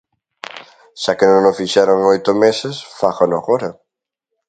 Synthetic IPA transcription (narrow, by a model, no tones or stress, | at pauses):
ʃakenõŋnofiʃɛɾoŋojt̪ʊmesesfaɣonoɣoɾa